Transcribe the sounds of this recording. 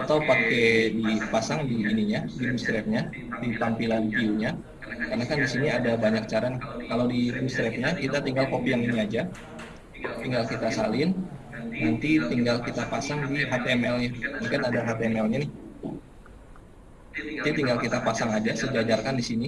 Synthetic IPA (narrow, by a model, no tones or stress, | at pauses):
at̪awpakedipasaŋdiːniɲadimust̪ɾɛt̚ɲa | dip̪ampilanpiuɲa | karnakandisiniadabaɲak̚t͡ʃaɾankalawdimust̪ɾɛf̚ɲakit̪at̪iŋɡalkopijaŋiniad͡ʒa | t̪iŋɡalkit̪asalɪnnant̪it̪iŋɡalkit̪apasaŋdiɦap̪ɛmɛlnamakanadaɦap̪ɛmɛlɲanɪh | t̪it̪iŋɡalkit̪apasaŋad͡ʒasəd͡ʒad͡ʒarkandisini